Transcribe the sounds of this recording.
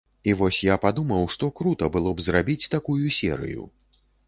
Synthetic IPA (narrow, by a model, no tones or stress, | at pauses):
ivɔsʲjapad̪umɐwʂt̪ɔkɾut̪ɐbɨlˠɔbzrabʲit͡sʲt̪akujusʲɛ̰ɾɨ̰jṵ